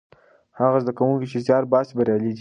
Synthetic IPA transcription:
haɣazd̪akawuŋkit͡ʃezjɑɾbɑsibaɾjɑliɡ̪i

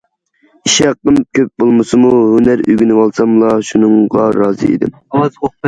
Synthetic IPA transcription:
iʃɑqːəmkʲʰøp̚bolˠmɨsɨmuhynæɾy̰ɡʲinɨwɑlˠsɑmlˠɑʃunɨŋʁɑɾɑːzɨ̰ḭd̪ɪ̰m | o

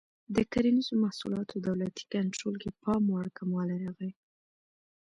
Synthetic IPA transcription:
d̪əkaɾinizomahsulɑt̪ʰod̪awlat̪i̥kaɳʈɾolkepɑmwaɽkamwɑlajɾaɣaj

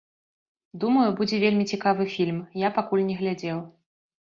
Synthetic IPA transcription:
d̪umɐjubud͡zʲɛvʲelʲmʲit͡sʲikavɨfʲilʲmjapakulʲnʲɛɣlʲad͡zʲɛw

